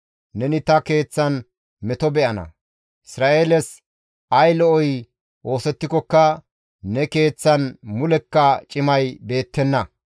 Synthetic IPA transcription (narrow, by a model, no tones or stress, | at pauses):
nɛnɪt̪ɐke̞ːt͡sːɐn | mɛt̪ɔbɛʔɐnɐ̰ | ɪsɾaːʔeːlɛs | ɐjlɔʔɔj | ʔo̞ːsɛt̪ːɪkɔkːɐ | nɛke̞ːt͡sːɐnmʊlɛkːɐt͡ʃʼɪmɐjbe̞ːt̪ːɛnːɐ